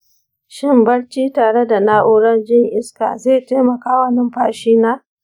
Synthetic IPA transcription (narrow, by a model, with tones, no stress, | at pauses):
ʃɪ˦mbɐ˦ɽt͡ʃiː˦taː˨ɽe˦da˨naː˦ʔʊː˦ɽɐ˦nd͡ʒɪ˦ŋʔɪ˦ska̰ː˨zeː˦˨teː˦mɐ˨kaː˦wɐ˦nɪ˦mɸaː˨ʃiː˦naː˦